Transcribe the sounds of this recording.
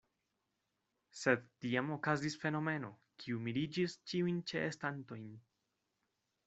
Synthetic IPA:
se̞dtiamo̞kazisfe̞no̞me̞no̞ | kʰiumilid͡ʒist͡ʃiujnt͡ʃe̞ʔːstanto̞jn

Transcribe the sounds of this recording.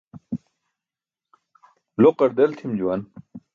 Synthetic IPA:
loqɐɾd̪ɐlt̪ʰimd͡ʑuwan

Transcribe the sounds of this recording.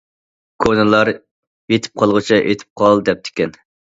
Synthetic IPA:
kʰonɨlˠɑɾ | jet̪ʰɪ̥p̚qʰɑlˠʁʊt͡ʃʰiʔet̪ʰɪ̥p̚qʰɑlˠd̪ɛp̚t̪ʰɪ̥kʲɛn

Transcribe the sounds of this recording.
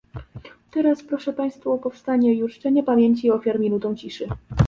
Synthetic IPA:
t̪ɛɾaspɾɔʂɛpaj̃st̪fuɔpɔfst̪aɲɛjuʂt͡ʂɛɲɛpamʲjeɲt͡ɕiɔfʲjaɾmʲinut̪ɔ̃w̃t͡ɕiʂɘ

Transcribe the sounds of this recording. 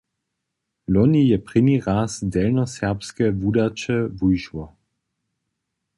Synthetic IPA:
lɔnijɛpʁɪniʁasdɛlnɔsɛʁpskɛvudat͡ʃɛvujʃwɔ

